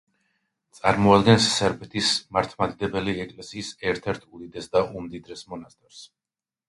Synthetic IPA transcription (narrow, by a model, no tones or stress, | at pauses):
t̪sʼaɾmɔad̪ɡɛnsːɛɾpʰɛt̪ʰismaɾt̪ʰmad̪id̪ɛbɛliɛkʼlɛsiːsɛɾt̪ʰɛɾt̪ʰud̪id̪ɛsd̪aʔumd̪id̪ɾɛsmɔnast̪ʼɛɾs